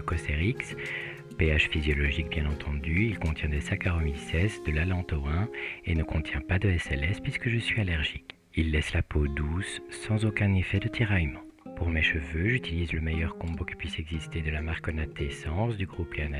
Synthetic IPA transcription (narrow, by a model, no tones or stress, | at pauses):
əkɔst̪eʁiks | peaʒfizjɔlɔʒik̚bjɛ̃nɑ̃t̪ʰɑ̃d̪yilkɔ̃t̪jɛ̃d̪esakaʁɔmisɛsd̪əlalɑ̃t̪oɛ̃enəkɔ̃t̪jɛ̃pad̪əɛsɛlɛspɥiskəʒəsɥialɛʁʒik | ilːɛslapod̪usːɑ̃zokɛ̃nefɛd̪ət̪ʰiʁajmɑ̃puʁmeʃəvøʒyt̪ilizləmejœʁkɔ̃bokə̥pɥisɛɡzist̪ed̪əlamaʁkɔnat̪ʰesɑ̃sd̪yɡʁupeana